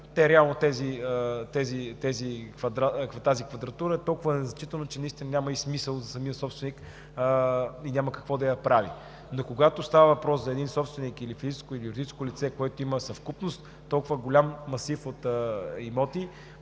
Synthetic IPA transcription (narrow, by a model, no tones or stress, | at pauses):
t̪ɛɾɛalˠnot̪ɛziət̪ɛzit̪ɛzikvɐd̪ɾakvt̪azikvɐd̪ɾɐt̪uɾəɛt̪ɔlˠkʊvənɛznɐt͡ʃit̪ənot͡ʃɛnɐist̪ʲinɐnʲamɐismisəlˠzɐsɐmijəsɔpst̪vɛnikː | inʲaməkɐ̥kvɔd̪ɐjɐpɾavḭ | nokoɡat̪ost̪avəvɐpɾɔszɐɛd̪insɔpst̪vɛnikilifizit͡ʃskoilijʊɾd̪it͡ʃskolit̪sɛkoɛt̪oiməsɐfkupnost̪ːɔlˠkʊvəɡolʲamːɐsifot̪əimɔt̪i